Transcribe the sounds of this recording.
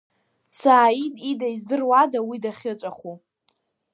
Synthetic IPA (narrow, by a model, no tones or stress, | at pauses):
saːidʼidaizdɨrwadawidaχʲɪt͡ʃʷʼaχu